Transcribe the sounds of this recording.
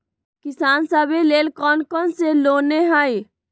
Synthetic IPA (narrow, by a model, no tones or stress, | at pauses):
kisaːnsəbeleːlkɔːnkɔnseloneɦəj